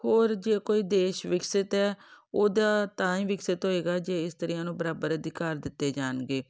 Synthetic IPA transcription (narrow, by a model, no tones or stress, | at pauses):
hoːɾd͡ʒeːkoːiːd̪eːʃʋɪksɪt̪ɦɛːoːd̪aːt̪ãːĩːʋɪksɪt̪ɦoːeːɡaːd͡ʒeːɪst̪əɾijãːnũːbəɾaːbəɾəd̪ɪkaːɾd̪ɪt̪ːeːd͡ʒaːnɡeː